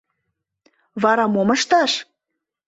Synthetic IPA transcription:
βɑɾɑmoməʃt̪ɑʃ

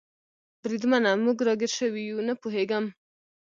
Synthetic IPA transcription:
bɾid̪manamːuɡɾɔɡeɾʃəwijunəpuɦeɡam

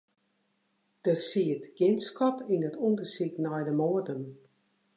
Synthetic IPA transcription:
d̥əsiətɡ̥ɪnskɔpinətundəsiknɔjdəmɔːədən

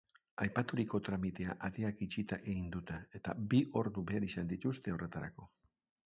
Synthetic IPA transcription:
ajpat̪uɾiko̞t̪ɾamit̪e̞aʔaɾeakit͡ʃit̪aʔeɣind̪ut̪ee̞t̪abiʔo̞ɾðube̞aɾisand̪it̪ust̪e̞o̞re̞t̪aɾa̰ko̞

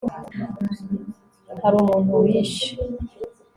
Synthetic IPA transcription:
haɾuːmuːnuwiʃi̥

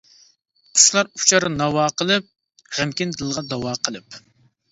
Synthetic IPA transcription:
qʰʊ̥ʃlˠɑɾu̥t͡ʃʰɑɾɨnɑwɑːqəlˠɨp̚ | ʁɛmkʲind̪ɨlˠʁɑd̪ɑwɑːqʰəlˠɨp

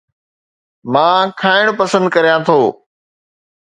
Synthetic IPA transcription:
mãːkʰaːɪɽ̃pəsə̃nd̪kəɾijãːt̪ʰoː

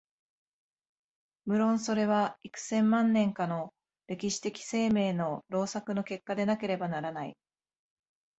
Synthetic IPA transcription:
mɯ̟ɾõ̞ɰ̃so̞ɾe̞β̞aikɯ̟̥sẽ̞mːãnːẽ̞ŋkano̞ | ɾe̞kʲiɕi̥t̪e̞kʲi̥se̞ːme̞ːno̞ɾo̞ːsakɯ̟no̞ke̞kːad̪e̞nake̞ɾe̞banaɾanaḭ

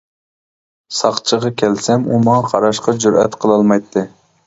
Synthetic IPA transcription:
sɑχt͡ʃʰəʁɑkʲʰɛlsɛmumɑŋɑqʰɑɾɑʃqɑd͡ʒuɾɛ̰t̪qʰəlˠɑlˠmɑjt̪ʰːɨ

